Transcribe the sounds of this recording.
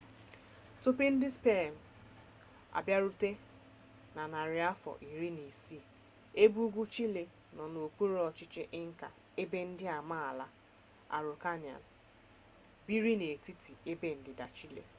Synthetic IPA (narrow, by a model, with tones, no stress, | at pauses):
tʊ˦pe˦n̩˦dɪ˦spe˦˨m̩˨ | a̰˨bja˦ɾu˦te˦ | na˨na˨ɾɪ˨a˦fɔ̰˨ʔi˨ɾi˦ni˨si˦˨ | e˦bu˦ɡʷu˦t͡ʃi˦le˨ | nɔ˨no˨k͡pu˦ɾɔ˨t͡ʃɪ˦t͡ʃɪ˦ʔɪ˦ŋ̩˦ka̰˨ | e˦be˦n̩˦dɪ˦a˨ma˦a˨la˦ | a̰˨ɾʊ˨ka˦ɲa̰˨n̩˨ | bi˦ɾi˦ne˨ti˦ti˨e˦be˦n̩˨dɪ˨da˨t͡ʃi˦lḛ˨